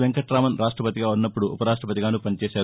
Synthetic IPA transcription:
ʋeŋkɐʈɾaːmɐnɾʔaːʂʈɾɐpɐt̪iɡaːunːɐpːuɽuʔupɐɾaːʂʈɾɐpɐt̪iɡaːnupɐnit͡ʃeːsaː

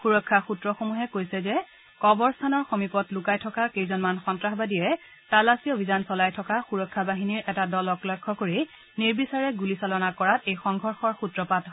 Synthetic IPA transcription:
xuɹɔkʰːaxutɹɔxomuɦɛkojsɛzɛ | kɔbɔɹstʰanɔɹxomipɔtlʊkajtʰɔkakejzɔnmanxɔntɹaxbadijɛ | talasiobʱizansɔlajtʰɔkaxuɹɔkʰːabaɦiniɹɛtadɔlɔklɔjkʰːɔkoɹi | niɹbisaɹɛɡulisalɔnakɔɹatejxɔŋɡʱɔɹxɔɹxutɹɔpat

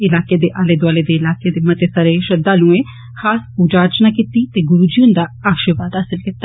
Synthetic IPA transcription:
ɪlaːked̪eːʔaːleːd̪waːleːd̪eːɪlaːked̪eːmət̪eːsaɾeːʃəd̪aːlũːeː | xʰaːspuːd͡ʒaːɾt͡ʃnaːkit̪iːt̪eːɡʊɾuːd͡ʒiʊnd̪aːaːkʃəʋaːd̪ɦaːsɪlkɪt̪ːaː

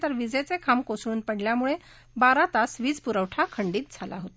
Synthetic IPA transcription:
t̪əɾʋid͡zet͡sekʰamkosɽuːnpəɽljamuɭe | baɾat̪asʋiːd͡zpuɾəʋʈʰakʰəɳɖiːt̪̚d͡zʱala̰ɦot̪a

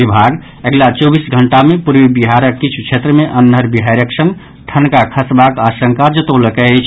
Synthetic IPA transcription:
bibʱaɡ | eɡlat͡ʃɔbisɡʱəɳʈamepuɾʋibiɦaɾəkːit͡ʃʰu̥t͡ʃʰet̪ɾəmeʔənːəɾbiɦaɾjəksə̃ŋɡ | ʈʰənkakʰəsbakaʃə̃ŋkad͡ʒət̪oləkɛt͡ʃʰ

